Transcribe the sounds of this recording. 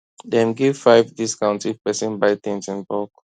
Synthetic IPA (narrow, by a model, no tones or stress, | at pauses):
dɛ̃mɡiv̥faɪvdiskãʊ̃ntipɛsĩnbaɪt̪ĩnsĩnbɔk